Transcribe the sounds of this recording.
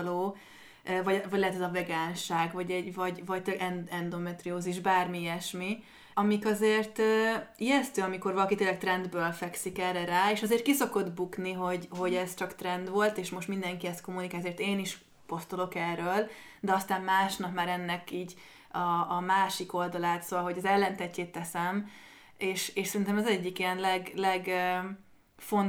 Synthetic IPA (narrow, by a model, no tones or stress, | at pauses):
loː | øvɒɟɛvɒɟlɛɦɛt̪ɛzɒvɛɡaːnʃaːɡvɒɟɛɟvɒɟvɒc̚t̪ʔɛnɛnd̪o̞mɛt̪rioːziʒbaːrmijɛʃmi | ɒmikɒzeːrt̪øːiɛst̪øːɒmiko̞rvɒlɒkit̪eːlːɛk̚t̪rɛnd̪bøːlfɛksikɛrɛɾaːeːʃɒzeːrt̪kiso̞ko̞d̪bukniɦo̞ɟɦo̞ɟɛz̥t͡ʃɒkt̪rɛnd̪ʋo̞lt̪eːʃmo̞ʃt̪mind̪ɛŋkiɛst̪ko̞mːunikaːjɛzert̪eːniʃ | po̞st̪olo̞kɛrːøːl | d̪ɛɒst̪aːmmaːʃnɒkmaːɾɛnːɛkiːɟ | ɒːmaːʃiko̞ld̪ɒlaːt̪soɒlɦo̞ɟɒzɛlːɛnt̪ɛcːeːt̪ːɛsɛm | eːʃeːʃsɛɾint̪ɛmɛzɛɟːikiɛnlɛɡlɛɡ | fo̞n